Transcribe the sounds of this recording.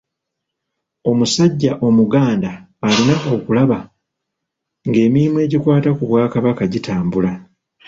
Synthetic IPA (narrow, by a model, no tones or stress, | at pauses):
o̞musaɟːaʔo̞muɡaːndaː | linaʔo̞kulaβa | ŋɡe̞ːmimwe̞ːɟikwaːtakuβwaːkaβakaɟitaːmbula